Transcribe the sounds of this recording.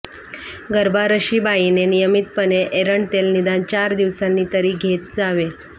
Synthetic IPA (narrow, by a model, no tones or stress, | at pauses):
ɡəɾbaɾəɕiːbainenijəmit̪pəneʔeɾəɳt̪elnid̪ant͡ɕaɾd̪iʋsanːiːt̪əɾiːɡʱet̪t͡saʋe